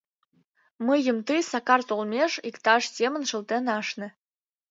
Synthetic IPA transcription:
məjə̆mt̪ɨsɑkɑrt̪olˠmʲeʂikt̪ɑʂsʲemə̆nʃɤ̆lt̪enɑʃnɘ̆

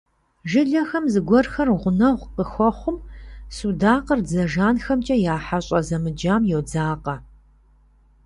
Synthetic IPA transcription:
ʒɪɮɐxɐmzɨɡʷɔrxɐrʁʷʊnɐʁʷqəxʷɔχʷʊmsudaːqərd͡zɐʒaːnxɐmt͡ʃʼɐjaːħaɕʼɐzɐmɨd͡ʒaːmjɛwd͡zaːqɐ

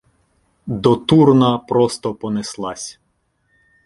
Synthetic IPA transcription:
d̪ɔt̪urnɐpɾɔst̪ɔpɔneslˠɑsʲ

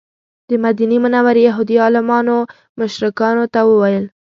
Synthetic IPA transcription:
d̪̥əmad̪inemənawaɾjaɦud̪iɑlɪmɑno | mʊʃɾɪkɑnot̪awəwajəl

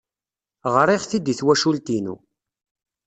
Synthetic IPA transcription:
ʁɾiʁθid̪iθwæʃult̪inṵ

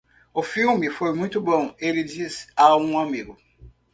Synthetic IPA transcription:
ofilbifomũtubɔ̃ŋeɾidisaũamiɡu

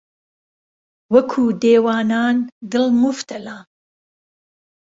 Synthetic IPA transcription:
wɐkʰuːd̪eːwaːnaːnd̪ɨlmʊft̪ɐlaː

